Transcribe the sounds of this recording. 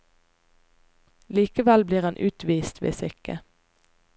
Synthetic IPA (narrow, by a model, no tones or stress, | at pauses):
liːkəʋɛlbliːʁɑnʔʉːt̪ʋiːst̪ʋḛːsʏkə